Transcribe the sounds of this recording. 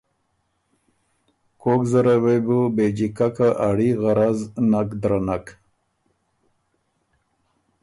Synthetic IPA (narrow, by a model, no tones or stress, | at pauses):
kokzəɾawejbubed͡ʑikakaʔaɽiɣaɾaznakd̪ɾanak